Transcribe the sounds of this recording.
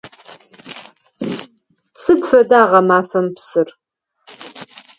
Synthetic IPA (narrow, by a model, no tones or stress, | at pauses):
sɨdfɐdaːʁɐmaːfɐmpsɨr